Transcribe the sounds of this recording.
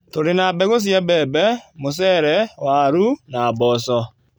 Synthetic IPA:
toɾenabɛɣos̬jabɛːbɛmos̬ɛːɾɛwaɾunaːbɔːsɔ

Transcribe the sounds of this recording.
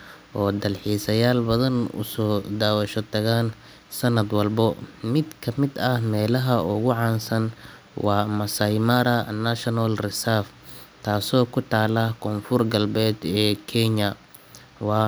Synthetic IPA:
ʔɔːd̪ɐlħiːsɐjaːlbɐðɐnʊ̰sɔːd̪aːwɐʃɔt̪ʰɐɣaːn | sɐnɐd̪wɐlbɔmɪd̪kʰɐmɪd̪ɐhmɛːlɐɦɐʊɣʊʕɑːnsɐn | wɑːmɐsɐjmɐɾɐnaʃɔnalrɪsaf | t̪ʰaːsɔːkʰʊt̪ʰaːlɐkʰɔːnfʊrɡɐlbɛːd̪ɛːkʰɛɲɐ | wɑː

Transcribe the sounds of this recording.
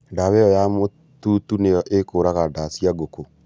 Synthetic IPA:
daβɛɔjamo | tutunejɔʔekoːɾaɣadasiaɡoko

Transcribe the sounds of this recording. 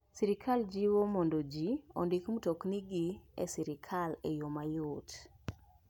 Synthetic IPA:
siɾikʰald͡ʒiwomondod͡ʒio̰ndikmutokniɡiḛsiɾikʰalḛjomajʊt

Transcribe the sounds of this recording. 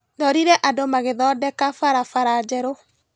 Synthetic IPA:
dɔɾiɾɛʔadomaɣeðɔːdɛkafaɾafaɾad͡ʒɛɾo

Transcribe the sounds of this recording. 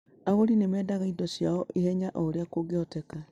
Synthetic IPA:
aɣoɾinemɛːdaɣaidɔsjaɔʔihɛɲaʔɔɾeakoɡeɔtɛka

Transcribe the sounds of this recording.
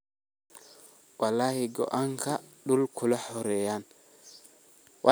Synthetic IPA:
walaːhɛɡɔ̰ʔaŋkʰaɗulkʰʊlɐħɔɾɛjan | wa

